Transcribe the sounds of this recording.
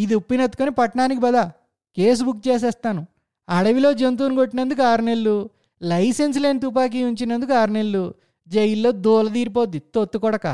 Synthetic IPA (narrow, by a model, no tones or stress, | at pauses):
id̪iupːinɐt̪ːu̥konipɐʈɐɳaːnik̬ibɐd̪aː | keːs̬ubuk̚ːt͡ʃeːs̬ɛːst̪aːnu | ɐɽɐʋilo̞ːd͡ʒent̪̬uːnuɡo̞ʈːinɐnd̪uk̬uaːɾnelːu | lɐjsens̬le̞ːnit̪̬upaːk̬iuɲt͡ʃinɐnd̪ukuaːɾnelːu | d͡ʒɐjilːo̞ːd̪oːlɐd̪iːɾip̬oːd̪it̪ot̪ːukɔɽɐka̰ː